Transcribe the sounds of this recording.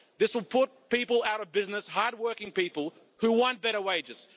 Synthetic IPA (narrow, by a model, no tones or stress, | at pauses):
ðɪswəlˠpʰʊt̚pipəl̩ˠaʊɾʌvbɪznəshɑɹd̚wɜ˞kɪ̃ŋpipl̩ˠ | hʉwɑ̃nb̥ɛɾə˞weɪd͡ʒɨz̥